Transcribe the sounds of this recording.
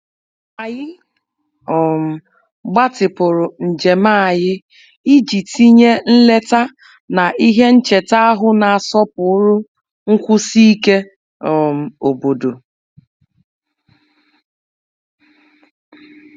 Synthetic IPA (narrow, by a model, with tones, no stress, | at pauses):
a˨jɪ˦ | ɔ˨m̩˨ | ɡ͡ba˦tɪ˨pʊ˨ɾʊ˨n̩˨d͡ʒe˨ma˦˨jɪ˦ | i˦d͡ʒi˨ti˦ɲe˦n̩˦le˦ta˦ | na˨ʔi˦ɦe˦n̩˦t͡ʃe˨ta˦a˦ɦʊ˦na˨a˨sɔ˦pʊ˨˦ʊ˦ɾʊ˦ | ŋ̩˦kʷʊ˦si˦i˦ke˦ | ɔ˨m̩˨o˨bo˨do˨